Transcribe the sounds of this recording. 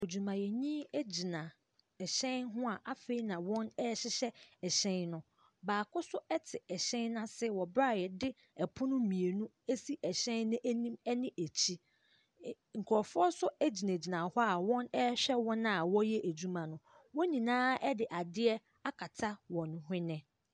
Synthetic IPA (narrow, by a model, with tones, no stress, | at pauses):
o˨d͡ʑu˨mã˨jɛ˨ɲĩ˦e˦d͡ʑi˨nã˨ | ɛ˨ɕɛ̃˦nɦʊ̃˦a˨ʔa˦fe˦i˦nã˨wɔ̃˦nɛ˦ɕɪ˦ɕɛ˦ɛ˨ɕɛ̃˦nnʊ̃˦ | baː˨kʰʊ˦sʊ˦ɛ˦tʰɪ˨ɛ˨ɕɛ̃˦nːã˦sɪ˦˨wɔ˨bɾa˦˨jɛ˨dɪ˦ | ɛ˨pʰʊ˦nʊ̃˦mĩ˨e˨nũ˦ | e˦si˦ʔɛ˨ɕɛ̃˦nːʊ̃˦ʔæ˦nĩ˦mɛ˦nɪ̃˦ʔæ˨t͡ɕʰi˦ | ŋ̩˨kʰʊ˨ɔ˨fʊ˦ɔ˦sʊ˦æ˦d͡ʑi˨nã˨d͡ʑi˨nã˨hɔ˦a˨wɔ̃˦nɛ˦ɕᶣɛ˦wɔ̃˦na˨a˨wɔ˦jɛ˦ʔæ˨d͡ʑu˦mã˨nʊ̃˨ | wɔ˦ɲĩ˨nãː˦ɛ˦dɪ˨ʔa˨dɪ˦ɛ˦ | a˦kʰa˨tʰa˦wɔ̃˨ñ˨ɦɪ̃˦nɪ̃˦